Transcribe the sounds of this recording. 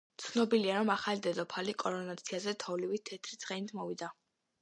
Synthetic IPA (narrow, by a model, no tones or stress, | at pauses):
t̪sʰnɔbiliaɾɔmaχalid̪ɛd̪ɔpʰalikʼɔɾɔnat̪sʰiazɛt̪ʰɔvlivit̪ʰɛt̪ʰɾit̪sʼχʼɛnit̪ʰmɔvid̪a